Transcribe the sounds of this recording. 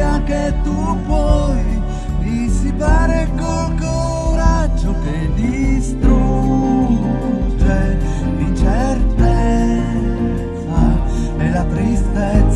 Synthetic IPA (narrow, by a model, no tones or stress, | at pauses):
aket̪ːu | pwɔj | d̪isipaːɾekolko | ɾad͡ʒːoked̪ist̪ɾu | d͡ʒe | d̪it͡ʃert̪e | t̪sa | nelːat̪ɾist̪et̪s